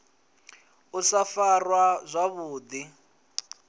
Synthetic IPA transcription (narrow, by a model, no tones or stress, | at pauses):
ʊsafarwazʷaβuːd̪i